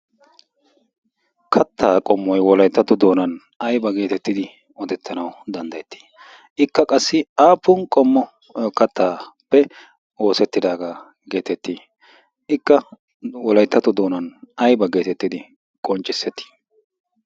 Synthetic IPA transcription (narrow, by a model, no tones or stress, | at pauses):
kʰɐt̪ːaːkʼɔmːɔjwɔlɐjt̪ːɐt̪ʊd̪o̞ːnɐn | ɐjbɐɡe̞ːt̪ɛt̪ːɪd̪ɪ | ɔd̪ɛt̪ːɐnɐwd̪ɐnd̪ɐjɛt̪ːi̥ː | ʔɪkːɐkʼɐsːɪaːpːʊnkʼɔmːɔ | kɐt̪ːaːpːɛ | o̞ːsɛt̪ːɪd̪aːɡaː | ɡe̞ːt̪ɛt̪ːiː | ɪkːɐ | wɔlɐjt̪ːɐt̪ːʊd̪oːnɐnɐjbɐɡe̞ːt̪ɛt̪ːɪd̪ɪ | kʼɔnt͡ʃʼɪsːɛt̪ːi̥ː